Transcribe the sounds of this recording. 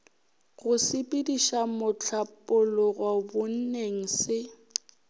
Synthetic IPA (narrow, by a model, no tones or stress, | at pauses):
ɣʊsɪpʼɪdiʃamʊt͡ɬʰapʼʊlɔɣwabʊn̩neŋ̩sɪ